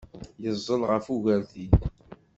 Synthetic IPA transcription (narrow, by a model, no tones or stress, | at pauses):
jəzˤːəlʁəfuʝæɾθi